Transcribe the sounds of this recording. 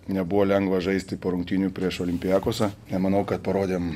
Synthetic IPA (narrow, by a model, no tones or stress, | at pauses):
nʲɛbʊʋoːlʲɛŋɡʋɐʒɐɪsʲt̪ʲɪpoːɾʊŋkt̪ʲiːnʲʊpʲɾʲiɛʃoːlʲɪmʲpʲɪjæːkoɔsʲɐnʲɛmɐnɐʊkɐt̪̚pɐɾoːd̪ʲeːm